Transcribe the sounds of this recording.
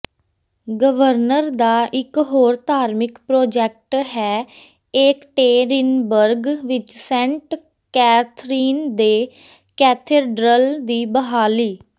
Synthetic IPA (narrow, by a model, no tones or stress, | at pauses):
ɡəʋəɾnəɾd̪aːʔɪkɦoːɾt̪aːɾmɪkpɾoːd͡ʒɛk̚ʈɦɛː | eːkʈeːɾɪnbəɾɡʋɪt͡ʃsɛ̃ɳʈ | kɛːt̪ʰɾiːnd̪eː | kɛːt̪ʰeːɖɾəld̪iːbəɦaːliː